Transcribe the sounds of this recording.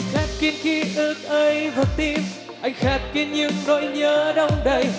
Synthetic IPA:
xaː˦˥t̚ki˧˩nki˧ʔɨ˦˥ək̚ʔə˧˦jvə˨˩t̚t̪i˧m | ʔa˧jŋ̟xaː˦˥t̚ki˧nɲɨ˧ŋno˧˦jɲəː˨˦ɗə˧wŋ͡mɗə˧˩j

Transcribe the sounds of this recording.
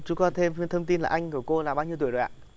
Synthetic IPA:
t͡ɕu˨˦kɔ˨˧˦t̪ʰe˧mt̪ʰə˧wŋ͡mt̪i˧nla̰ː˨˩ʔa˧jŋ̟ku˧˩əko˧laː˨˩ɓaː˧wɲi˧t̪u˧˩ə˨˩a̰ː˧˨

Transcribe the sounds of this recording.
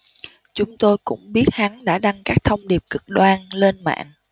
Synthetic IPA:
t͡ɕʊ˨˦ŋ͡mt̪o˧jkʊ̰˧˥ŋ͡mɓi˦˥ət̚ha˨˦ŋɗa̰ː˧˥ɗa˧ŋkaː˦˥k̚t̪ʰə˧wŋ͡mɗi˨˩əp̚kɨ˨˩k̚ɗwaː˧nle˧nma̰ː˧˨n

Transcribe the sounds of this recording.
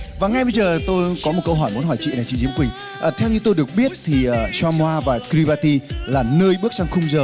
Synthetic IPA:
vaː˨˩ŋa˧jɓə˧jzəː˨˩t̪o˧jkɔ˨˦mo˨˩kə˧wɦɔ˧˩jmo˨˦nɦɔ˧˩jt͡ɕḭ˧˨aː˨˩t͡ɕḭ˧˨zi˨˦kwï˨˩ŋ̟ | ʔəː˨˩t̪ʰɛ˧wɲɨ˧t̪o˧jɗɨ˨˩ək̚ɓi˦˥ət̚t̪ʰi˨˩ʔəː˨˩swaː˧m˧aː˧vaː˨˩kɾi˧ɓaː˧t̪i˧laː˨˩nəː˧jɓɨ˦˥ək̚saː˧ŋxʊ˧wŋ͡mzəː˨˩

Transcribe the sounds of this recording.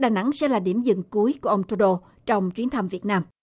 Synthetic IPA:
ɗaː˨˩na˧˥ŋsɛ̰˧˥laː˨˩ɗi˧˩əmzɨ˨˩ŋku˨˦əjku˧˩əʔə˧wŋ͡mt͡ɕo˧ɗo˧ | t͡ɕɔ˧wŋ͡mt͡ɕwi˨˦ənt̪ʰə˧mvi˨˩ət̚naː˧m

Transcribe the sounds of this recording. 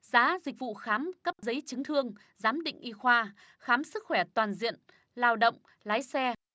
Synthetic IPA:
zaː˨˦zï˨˩k̚vṵ˧˨xaː˨˦mkə˦˥p̚zə˨˦jt͡ɕɨ˨˦ŋt̪ʰɨ˧əŋ | zaː˨˦mɗḭ̈˧˨ŋ̟ʔi˧xwaː˧ | xaː˨˦msɨ˦˥k̚xwɛ˧˩t̪waː˨˩nzḭ˧˨ən | laː˧wɗə̰˧˨wŋ͡m | laː˨˦jsɛ˧

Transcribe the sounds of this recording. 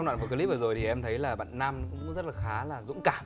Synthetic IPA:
wɗa̰ː˧˨nku˧˩kːli˦˥p̚vəː˨˩zo˨˩jt̪i˨˩ʔɛ˧mt̪ʰə˨˦jlaː˨˩ɓa̰ː˧˨˧nnaː˧mnɔ˨˦kʊ̰˧˥ŋ͡mkɔ˨˦zə˦˥t̚laː˨˩xaː˨˦laː˨˩zʊ̰˧˥ŋ͡mkaː˧˩

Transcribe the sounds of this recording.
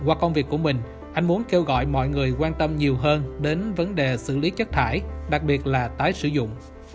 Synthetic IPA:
kwaː˧kə˧wŋ͡mvi˨˩əkːu˧˩əmï˨˩ŋ̟ | ʔa˧jŋmu˨˦ənke˧wɣɔ̰˧˨jmɔ̰˧˨jŋɨ˨˩əjkwaː˧nt̪ə˧mɲi˨˩əwɦəː˧nɗe˨˦nvə˨˦nɗe˨˩sɨ̰˧˨li˨˦t͡ɕə˦˥k̚t̪ʰa̰ː˧˩jɗa˨˩k̚ɓi˨˩ət̚laː˨˩t̪aː˨˦jsɨ̰˧˩zʊ̰˧˨ŋ͡m

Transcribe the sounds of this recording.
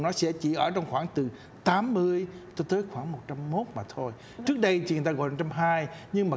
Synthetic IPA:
nɔ˨˦sɛ̰˧˥t͡ɕi˧˩ʔəː˧˩t͡ɕɔ˧wŋ͡mxwaː˧˩ŋt̪ɨ˨˩ | t̪aː˨˦mːɨ˧əjt͡ɕɔ˧t̪əː˨˦jxwaː˧˩ŋmo˨˩t̚t͡ɕa˧mːo˦˥t̚maː˨˩t̪ʰo˧j | t͡ɕɨ˦˥ək̚ɗə˧jt͡ɕi˧˩˨jt̪aː˧ɔ˨jmo˨˩t͡ɕa˧mɦaː˧jɲɨ˧ŋmaː˨˩

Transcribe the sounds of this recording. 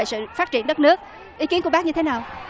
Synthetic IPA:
e˨˩sɨ̰˧˨faː˦˥t̚t͡ɕi˧˩ənɗə˦˥t̚nɨ˦˥ək̚ | ʔi˨˦˥ki˦nku˧˩əɓaː˦˥k̚ɲɨ˧t̪ʰe˨˦naː˨˩w

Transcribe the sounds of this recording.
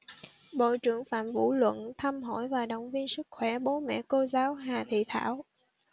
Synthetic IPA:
ɓo̰˧˨t͡ɕɨ˧˩əŋfa̰ː˧˨mvṵ˧˥lwə̰˧˨nt̪ʰaː˧mɦo̰˧˨jvaː˨˩ɗə̰˧˨wŋ͡mvi˧ənsɨ˦˥k̚xwɛ˧˩ɓo˨˦mɛ̰˧˨ko˧zaː˨˦wɦaː˨˩t̪ʰḭ˧˨t̪ʰa̰ː˧˨w

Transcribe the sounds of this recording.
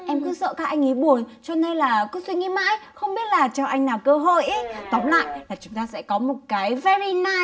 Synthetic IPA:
ʔɛ˧mkɨ˨˦sə̰ː˧˨k̪aː˧˦kʔa˧jŋʔi˨˦ɓu˨˩ənt͡ɕɔ˧ne˧nlaː˨˩kə˨˦swi˧ŋi˧˥ma̰ː˧˥jxə˧wŋ͡mɓi˦˥ət̚laː˨˩t͡ɕɔ˧ʔa˧jŋ̟naː˨˩wkəː˧ɦo̰˧˨jʔə˨˦t̪ɔ˨˦mla̰ː˧˨jlaː˨˩t͡ɕʊ˨˦ŋ͡mt̪aː˧sɛ̰˧˥kɔ˨˦mo˨˩t̚kaː˨˦jvɛ˧ɹi˧na˧

